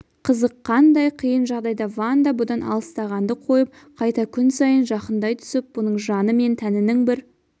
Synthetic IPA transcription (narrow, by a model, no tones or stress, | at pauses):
qʰəzəqʰːɑnd̪ɑjqʰəjənʒɑʁd̪ɑjd̪ɑvand̪ɑbʊd̪ɑnɑ̰lˠəst̪ɑʁɑnd̪əqʰo̞jəp̚ | qʰɑjt̪ɑkʲʰʏnsɑjənʒɑqənd̪ɑjt̪ʰʏ̥sɪp̚b̥ʊnəɴʒɑnəme̞nt̪ʰænɪnɪŋbɪɾ